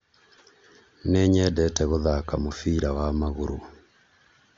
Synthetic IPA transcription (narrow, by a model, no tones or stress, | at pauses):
nɛɲɛdɛtɛɣoðakamofiɾawamaɣoɾo